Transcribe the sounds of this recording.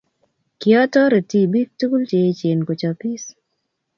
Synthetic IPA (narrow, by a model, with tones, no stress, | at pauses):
kiɔ˦tɔ˦ɾe˨ti˦bi˦k̚tu˦ku˦lt͡ʃe˨˦t͡ʃe˨nko˨t͡ʃa˨pi˦s